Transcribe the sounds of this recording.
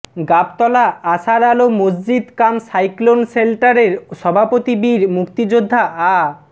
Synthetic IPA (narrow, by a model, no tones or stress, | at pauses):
ɡap̚t̪ɔlaaʃaɾalomos̬d͡ʑid̪kamsajklonselʈaɾeɾʃɔbʱapot̪ibiɾmukt̪id͡ʑod̪ʱːaʔa